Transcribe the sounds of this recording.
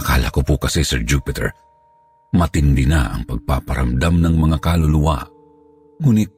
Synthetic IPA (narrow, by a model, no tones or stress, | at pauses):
ka̰la̰kopʊkɐsɛsɛɹd͡ʒupɪt̪ɛ̰ɹ | mɐt̪ɪnd̪ɪnaʔɐ̰ŋpɐɡ̚pa̰pɐɾʔa̰md̪amnɐŋmɐŋakalʊlʊwa̰ | ŋuːnɪt̪̚